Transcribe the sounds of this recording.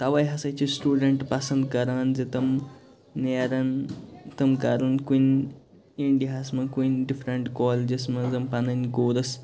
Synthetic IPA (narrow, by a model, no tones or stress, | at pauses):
t̪ɐʋɐjɦɐsɐjt͡ʃisʈuːɖɐɳʈpɐsɐ̃nd̪̚kɐɾaːnzit̪ɐmː | eːɾɐnt̪ɐmkɐɾɐnkun | iɳɖiɦasmɐkunɖifʰɾɐɳʈkɔːld͡ʒismɐzɐmpɐnɐnʲkoːɾɐs